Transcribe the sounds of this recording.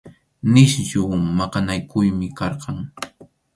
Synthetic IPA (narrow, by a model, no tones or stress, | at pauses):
nɪʃjʊmɑqɑnajkʊjmɪkɑɾqɑŋ